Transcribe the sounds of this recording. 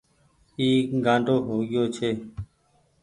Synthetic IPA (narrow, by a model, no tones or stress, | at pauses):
iːɡãːɳɖʱoːɦoːɠɪjoːt͡ʃʰeː